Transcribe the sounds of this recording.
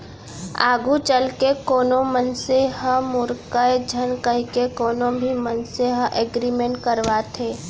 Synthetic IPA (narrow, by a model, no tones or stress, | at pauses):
aːɡut͡ʃəlkekoːnõmənseɦəmʊɾkəed͡ʒʱənkəɦkekoːnõbʱimənseɦə̃ʔeɡɾimẽɳʈ̚kəɾʋat̪ʰeː